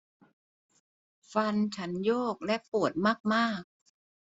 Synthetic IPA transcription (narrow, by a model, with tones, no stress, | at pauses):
fa˧nt͡ɕʰa˦˥njoː˥˩k̚lɛ˦˥ʔpu˨˩ət̪̚maː˥˩k̚maː˥˩k̚